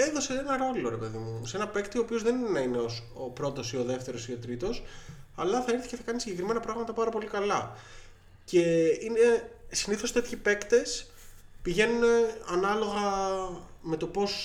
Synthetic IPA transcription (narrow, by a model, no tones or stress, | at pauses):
eðo̞se̞enɐɾo̞lo̞ɾe̞pe̞ðimuse̞nɐpe̞kt̪io̞ːpiozðe̞ninenɐine̞os | opɾo̞t̪o̞sio̞ðe̞ft̪e̞ɾo̞sio̞t̪ɾit̪o̞sɐlɐθɐiɾθi̥ceθɐkɐnisiɲɟe̞kɾime̞nɐpɾɐɣmɐt̪ɐpɐɾɐpo̞likɐlɐ | ce̞ine̞siniθo̞st̪e̞t̪çipe̞kt̪e̞s | piʝe̞nuneɐnɐlo̞ɣɐ | me̞t̪o̞po̞s